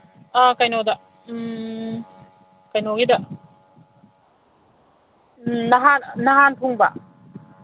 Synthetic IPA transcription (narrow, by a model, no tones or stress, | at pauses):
ʔakajnɔda | kajnɔɡidaʔ | naɦannːaɦanpʰuŋba̰ʔ